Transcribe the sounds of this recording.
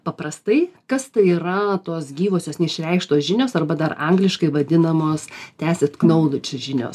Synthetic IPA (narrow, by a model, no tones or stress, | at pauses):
pɐpɾɐst̪ɐɪkɐst̪ɐɪiːɾɐt̪oːsɡʲiːʋoːsʲoːsnʲɛɪʃʲɾʲɛɪkʃt̪oːsʒʲɪnʲoːsɐrbɐd̪ɐrɐŋɡlʲɪʃkɐɪʋɐd̪ʲɪnɐmoːstʲæːsʲeːt̪knɐʊlʲˠʊt͡ʃʲʒʲɪnʲo̰ːs